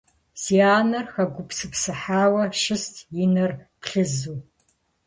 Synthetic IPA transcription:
z̥iaːnɐrxɐɡʷʊpsɨpsɨħaːwɐʃɨstʰjɪnɐrpɬɨzuː

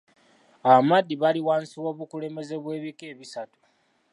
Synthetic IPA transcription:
aβamadːiβaliwaːnsiwo̞βukule̞me̞ze̞βwe̞ːβike̞ːβisatu̥

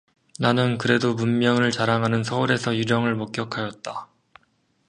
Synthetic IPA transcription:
nanɯnkɯɾe̞domunmjʌŋɯɭt͡ɕaɾaŋɦanɯnsʰʌuɾe̞sʰʌjud͡ʑʌŋɯɭmok̚k͈jʌkʰajʌt̚t͈a

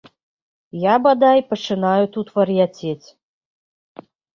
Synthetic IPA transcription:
jɑbad̪ɑjpət͡ʂɨnɑjut̪ut̪vɐɾjatʲetʲ

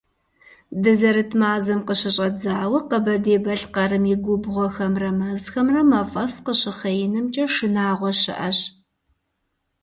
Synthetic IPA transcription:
dɨzɐɾɨtʰmaːzɨmqəɕɪɕʼɐd͡zaːwɐqəbɐdeːbɐɬqɑɾɨmjɪɡʷʊbʁʷɔxɐmrɐmɐzxɐmrɐmɐfʼɐsqəɕɪχɐjɪnɨmt͡ʃʼɐʂɨnaːʁʷɔɕɪ̰ʔɐɕ

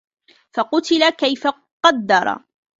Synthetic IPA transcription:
fɑqʊt̪ɪlakajfa | qɑd̪ːɑɾˤɑ̰

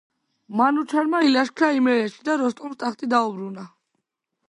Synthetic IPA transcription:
manut͡ʃʰaɾmailaʃkʰɾaimɛɾɛʃi̥d̪aɾɔst̪ʼulst̪ʼaχt̪ʼid̪aubɾuna

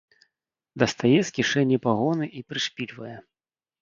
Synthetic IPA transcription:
d̪ɐst̪ajɛsʲkʲiʂɛnʲːɛpaɣɔnɨʔipɾɨʂpʲilʲvɐjɛ

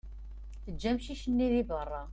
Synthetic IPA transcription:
θəd͡ʒːæmʃiʃənːiðibərˤːɑ

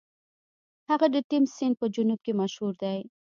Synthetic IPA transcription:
haɣad̪ət̪ɪmsɪnd̪̚pəd͡ʒʊnub̚kemaʃhuɾd̪aj

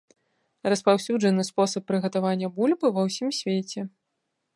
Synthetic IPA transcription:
rɐspawsʲud͡ʐɐnɨspɔsɐpːɾɨɣɐt̪avanʲːɐbulʲbɨvɐwsʲimsʲvʲet͡sʲɛ

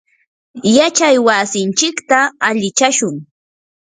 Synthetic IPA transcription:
jat͡ʃajwasɪnt͡ʃɪkt̪aaʎɪt͡ʃaʃʊŋ

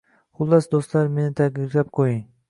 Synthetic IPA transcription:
χʊlˠːasd̪ost̪laɾmenɪt̪ʰaɡʲɪɾʲlap̚qʰojiŋ

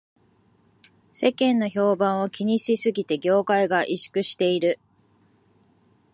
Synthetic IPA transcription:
se̞kẽ̞nːo̞ço̞ːbãɰ̃o̞kʲiɲ̟isisɨɡʲit̪e̞ɡʲo̞ːkaiɡaʔiɕi̥kɯ̟ɕi̥t̪e̞iɾɯ̟

